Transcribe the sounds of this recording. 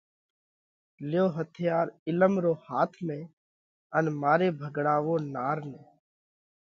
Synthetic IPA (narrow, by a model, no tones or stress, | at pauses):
ljoːɦət̪ʰɪjaːɾɪləmɾoːhaːt̪ʰmẽː | ənmaːɾeːbʱəɡɽaːʋoːnaːɾnẽː